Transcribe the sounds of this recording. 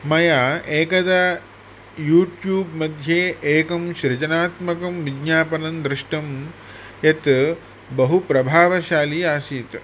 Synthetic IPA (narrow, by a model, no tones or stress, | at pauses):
mɐjaːeːkɐd̪ɐ | juːʈjuːbmɐd̪ʱjeːeːkɐmʃɾɐt͡ʃɐnaːt̪mɐkɐmʋiɡɲaːpɐnɐnd̪ɾɪʂʈɐm | jɐt̪ | bɐɦupɾɐbʱaːʋɐʃaːliaːsiːt̪